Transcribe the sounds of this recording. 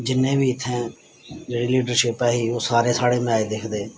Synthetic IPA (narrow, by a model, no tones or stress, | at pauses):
d͡ʒɪnːẽːbiːɪt̪ʰːẽː | d͡ʒeːɽiːliːɖəɾʃɪpɛːɦiːoːsaːɾeːsaːɽeːmɪaːeːd̪ɪkʰd̪eː